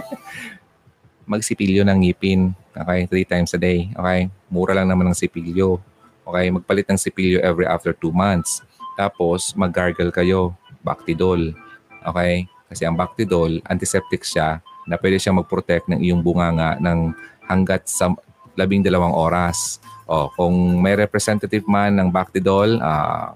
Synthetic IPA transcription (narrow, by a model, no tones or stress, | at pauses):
mɐɡ̚sɪpiljonɐŋiːpɪnʔoːkɛjt̪ɾit̪ajmsɐd̪ejʔo̰kɛjmuːɾʔɐlaŋnɐmanɐŋsɪpiljo | ʔoːkɛjmɐɡ̚pɐlɪt̪nɐŋsɪpiljoʔɛvɾiʔa̰ft̪ɛɹt̪uːmant̪s | t̪aːpo̞smɐɡaɹɡɛlkɐjo̞ba̰k̚t̪ɪd̪olʔo̰ːkɛjkɐsɛʔɐŋbak̚t̪ɪd̪olʔɐ̰nt̪ɪsɛp̚t̪ɪkʃanɐpwɛːd̪ɛʃamɐɡ̚pɾot̪ɛk̚t̪nɐŋʔɪjoŋbʊŋaːŋɐʔnɐŋhɐŋɡat̪̚sɐ | lɐbɪŋd̪ɐlɐwaŋʔo̞ːɾɐsʔokʊŋmɐjɾɛpɾɛsɛnt̪ɐt̪ɪvmanːɐŋbak̚t̪ɪd̪ola̰ː